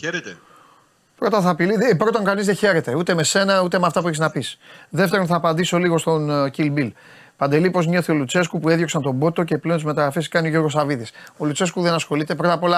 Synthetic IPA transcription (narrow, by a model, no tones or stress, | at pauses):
çeɾet̪e | pɾo̞t̪ɐθɐpiliðpɾo̞t̪oŋkɐnizðeçe̞ɾe̞t̪e̞ut̪e̞me̞se̞nɐut̪e̞meɐft̪ɐpueçiznɐpisðe̞ft̪eɾonθɐːpɐnd̪iso̞liɣo̞st̪o̞ncilbil | pɐnd̪e̞lipo̞zmɲo̞θio̞lut͡se̞skupuenðjo̞ksɐnt̪o̞bo̞t̪o̞ce̞pleont̪zmet̪ɐɣɾɐfeskɐnioʝo̞ɾɣo̞sɐviðiso̞lut͡se̞skuðe̞nɐsxo̞lit̪epɾo̞t̪ɐpo̞lɐ